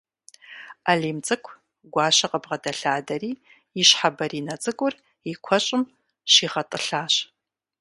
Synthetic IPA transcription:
aliːmt͡sʼɨkʷʰ | ɡʷɑːʃɐqʼəbʁɐdɐɬaːdɐriː | iɕħabɐɾiːnɐt͡sʼɨɡʷʼʊr | ikʷʰɔɕʼɪm | ʃiːʁɐtʼɨɬaːɕ

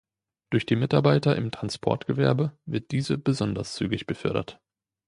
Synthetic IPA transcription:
d̥ʊɐçd̥iːmɪtaɐbaɪtɐʔɪmtʁ̥anspʰɔ̰ɐtɡ̥əvɛɐbəvɪɐt̚d̥iːzəbəzɔndɐst͡sy̰ːɡɪçb̥əfœɐɾɐ̰t

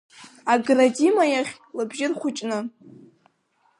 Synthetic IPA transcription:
aɡradʲimajaχʲ | lɨbʒɪrχʷʊt͡ʃʼnɨ

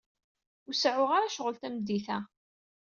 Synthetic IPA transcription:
usʕʊʁaɾaʃəʁəlt̪æmd̪iθæ

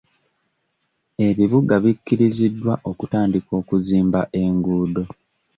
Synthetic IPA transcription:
e̞βiβuɡaβikːiɾizidːwaʔo̞kutaːndiko̞ːkuziːmbaʔeŋɡuːdo̞

